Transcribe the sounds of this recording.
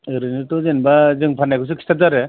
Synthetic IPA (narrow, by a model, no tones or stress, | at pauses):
ɯɾɯnɯtɔzenbazɯŋpʰanajkʰɯs̬ɯkʰi̥stʰazaɾɯ